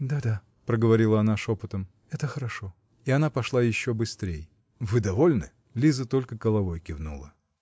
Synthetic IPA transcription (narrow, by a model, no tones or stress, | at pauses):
d̪ad̪a | pɾəɡəvɐɾʲilˠəɐnaʂopɨt̪əm | ɛt̪əxəɾɐʂo | ɪɐnapɐʂlˠajɪɕːobɨst̪ɾʲej | vɨd̪ɐvo̞lʲnɨ̰ | lʲizət̪o̞lʲkəkəlˠɐvo̞jkʲɪvnṵlˠə